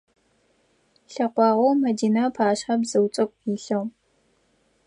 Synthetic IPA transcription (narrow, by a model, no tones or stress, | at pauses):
ɬɐqʷɑːʁʷɔwmɐdiːnapʰaːɕχɐbzɨwt͡sʼɐkʷʼiːɬɐw